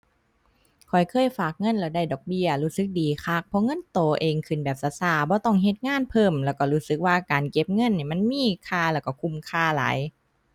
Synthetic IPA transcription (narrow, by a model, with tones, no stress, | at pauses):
kʰɔ˨˩jkʰɤː˧˥˨jfaː˨˩k̚ŋɤ˧˥˨nlɛː˧˩wda˧˩jdɔː˨˩k̚bi˧˩˨ɐluː˧˥sɯ˧˦k̚diː˨kʰaː˧˩k̚pʰɔ˧˥ŋɤ˧˥˨nt̪oː˨˩ʔeː˨˩ŋkʰɯ˨˩nbɛː˨˩p̚sa˧˦saː˧˩bɔː˧˦t̪ɔ˧˩ŋɦe˧˦t̪̚ŋaː˧˥˨npʰɤː˧˩˨mlɛː˧˩wkɔ˧˩luː˦˧˥sɯ˧˦k̚waː˧kaː˨nke˧p̚ŋɤ˧˥˨nːiː˧˩jma˧˥˨nmiː˧˥˨kʰaː˧˩lɛː˧˩wkɔ˧˩kʰu˧˩˨mkʰaː˧˩la̰ː˨˦j